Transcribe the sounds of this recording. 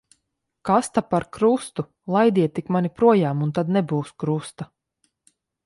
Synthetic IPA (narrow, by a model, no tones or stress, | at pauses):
kast̪apaɾkɾust̪u | lˠajd̪ʲiɛt̪ːikmanipɾuɔjaːmunt̪ad̪nɛbuːskɾust̪a